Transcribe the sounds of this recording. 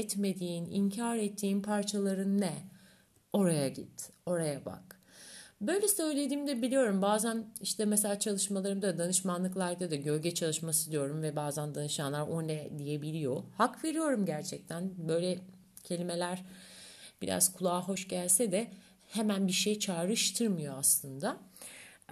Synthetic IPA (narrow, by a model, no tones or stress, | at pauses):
ɛt̪me̞d̪iːnḭɲcʰaɾɛt̪ʰːiːnpʰaɾt͡ʃʰalˠaɾɯnːɛ | o̞ɾajaɟḭt̪o̞ɾajaba̰k | bø̞jlʲɛsø̞jlʲe̞d̪iːmd̪ɛbilʲijo̞ɾumbaːzæniʃt̪ʰɛmɛs̬elʲaːt͡ʃʰalˠɯʃmalˠaɾɯmd̪ad̪anɯʃmanlˠɯklˠaɾd̪ad̪aɟølʲɟɛt͡ʃʰalˠɯʃmasɯd̪ijo̞ɾumvɛbaːzænd̪anɯʃanlˠaɾo̞nɛd̪ije̞bilʲijo̞hakve̞ɾijo̞ɾumɟæɾt͡ʃʰɛc̚t̪ʰænbø̞jlʲɛ | cʰe̞lʲime̞lʲæɾ̥ | b̥iɾa̰z̥kʰulˠaːɦo̞ʃɟælʲsɛd̪ɛ | hemænbiʃejt͡ʃʰaːɾɯʃt̪ʰɯɾmɯjo̞aslˠɯnd̪a